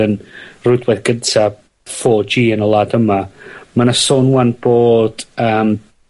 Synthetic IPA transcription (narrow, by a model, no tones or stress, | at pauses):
ənrʊjdwɛðɡəntʰa | fɔːd͡ʒiːənəlˠaːdəmamanasoːnuanb̥oːd̥əːm